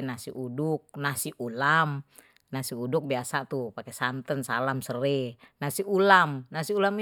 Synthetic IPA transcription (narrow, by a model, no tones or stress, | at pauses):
nasiʔuduk̚nasiʔulam | nasiuduk̚biasat̪upakɛsant̪ənsalamsərɛ | nasiulamnasiulami